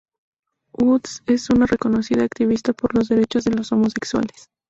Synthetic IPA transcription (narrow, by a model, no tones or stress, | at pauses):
ud̪se̞sunare̞ko̞no̞siðaːkt̪iβ̞ist̪apo̞ɾlo̞zðe̞ɾe̞t͡ʃo̞zðelo̞so̞mo̞se̞kswa̰les